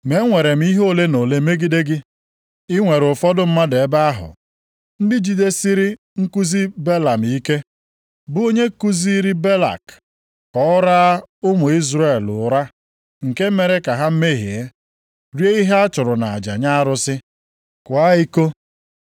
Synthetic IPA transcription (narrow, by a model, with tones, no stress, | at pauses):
me˨˦ŋʷe˨ɾe˨m̩˦i˦ɦo˦le˦no˨le˦me˦ɡi˦de˦ɡɪ˦ | ɪ˦ŋʷe˨ɾʊ˨fɔ˦dʊ˦m̩˦ma˦de˨˦ba˦a˦ɦʊ̰˨ | n̩˦dɪ˦d͡ʒi˨de˦si˦ɾɪ˦ | ŋ̩˦ku˦zi˦be˦la˨m˨i˦ke˦ | bʊ˦o˦ɲe˦ku˦zi˦ɾi˦be˦la̰˨k | kɔ˨˦ʊ˦ɾa˦ʊ˦mʊ˨i˦zɾe˨lʊ˨ɾa˦ | ŋ̩˨ke˦m̩˦me˨ɾe˦ka˨ɦa˦m̩˦me˦˨ɦḛ˨e˦ | ɾje˦i˦ɦe˦a˦t͡ʃʊ˨ɾʊ˨na˨a̰˨d͡ʒa̰˨ɲa˦a˦ɾʊ˦sɪ˦ | kʊ˨a˦i˦ko˦